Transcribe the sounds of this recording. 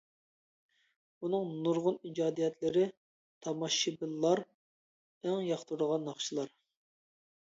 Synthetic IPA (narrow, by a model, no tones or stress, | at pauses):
bunɨŋnuɾʁʊnid͡ʒɑːd̪ijɛt̪lɪɾɪ | t̪ʰɑmɑʃːibɨlˠːɑɾ | æŋjɑχt̪ʰuɾəʁɑnːɑχʃilˠɑɾ